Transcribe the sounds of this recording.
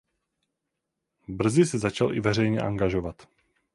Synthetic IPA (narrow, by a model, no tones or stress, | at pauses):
br̩zɪsɛzat͡ʃalʔɪ̰vɛrɛjɲɛʔa̰ŋɡaʒovat̪